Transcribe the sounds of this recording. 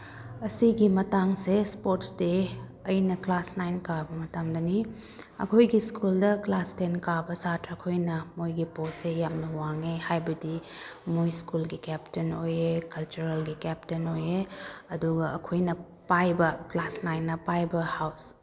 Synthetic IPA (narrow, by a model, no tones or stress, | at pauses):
ɐsiɡimɐtaŋsespoɾtsde | ɐjnɐklasnajnkabɐmɐtamdɐni | ɐ̰kʰojɡiskuldɐklastenkabɐsatʰɾɐkʰojnɐmojɡiposejamnɐwaŋehajbɐdimojskulɡikɛptenojekɐlt͡ʃuɾelɡikɛp̚tenojeɐduɡɐɐkʰojnɐ | pajbɐklasnajnːɐpajbɐhaws